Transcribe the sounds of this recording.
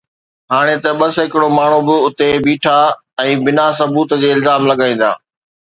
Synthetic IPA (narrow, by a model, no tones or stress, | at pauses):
ɦaːɽ̃et̪ɐɓɐsɦɪkɪɽomaːɳ̤ubɪʊt̪ebiːʈʰa | ɛ̃ːbɪnasɐbuːt̪d͡ʑeːɪlzaːmlɐɡaːĩːn̆d̪a̰ː